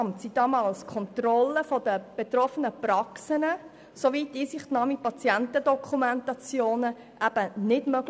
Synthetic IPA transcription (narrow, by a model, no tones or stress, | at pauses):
mtsid̥ɑmɑːlskʰɔnt̪rɔlːəfɔd̥əb̥et̪rɔfənəprɑksənə | soviːtːiːsɪχtnɑːmipɑt͡sjɛntədɔkʰumɛntɑt͡sjoːnə | ʔæb̥ənɪdmøɡ̥l